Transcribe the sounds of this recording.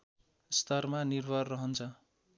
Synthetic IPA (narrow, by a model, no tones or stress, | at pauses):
st̪ʌrmanirbʱʌrːʌɦʌnt͡sʰʌ